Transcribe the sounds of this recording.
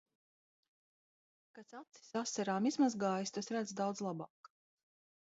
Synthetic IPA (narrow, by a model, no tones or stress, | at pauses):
kat̪sat̪si̥sasːaɾaːmizmazɡaːjist̪asɾæd̪zd̪awd̪zlˠabɑːk